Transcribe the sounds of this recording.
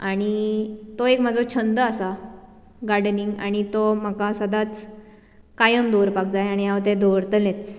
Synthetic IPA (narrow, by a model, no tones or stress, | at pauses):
aɽ̃it̪oekm̤ad͡zʱɔt͡ɕʰənd̪əasa | ɡaɽniŋɡa̰ɽ̃it̪om̤akasəd̪at͡s | kajəmd̪oɾpak̚d͡zajaɽ̃ijaʋt̪ed̪oəɾt̪let͡s